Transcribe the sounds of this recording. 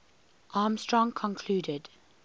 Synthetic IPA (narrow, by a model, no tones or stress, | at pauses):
ʔɑːmstɹɔ̃ŋkʰɔ̃nkʰl̥uːdɪd